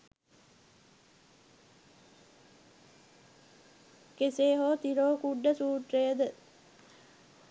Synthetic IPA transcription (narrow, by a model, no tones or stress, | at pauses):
keseːɦoːt̪iɾoːkuɖːəsuːʈrejəd̪ə